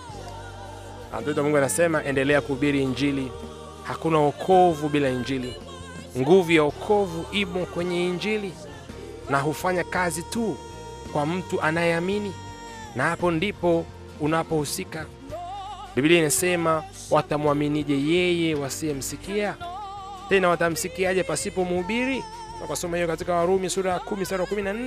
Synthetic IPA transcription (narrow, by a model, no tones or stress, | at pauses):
a̰tɔt̬wamuŋɡɛanasɛmaʔɛndɛlɛakuɓiɾiːɲd͡ʒili | hakunaɔkʰɔvuɓilaiɲd͡ʒili | ŋɡuvujaɔkʰɔvuʔimɔkwɛɲɛiɲd͡ʒili | naɦufaɲakazitu | kwam̩tuʔanajɛamini | nahapɔndipɔ | unapɔhusika | ɓiɓiliainasɛma | watamwaminiʄɛjɛjɛwasiɛm̩sikia | tɛnawatam̩sikiaʄɛpasipɔmuhuɓiɾi | na̰kwasɔmahijɔkatikawaɾumisuɾakumisuɾakuminan̩ɛ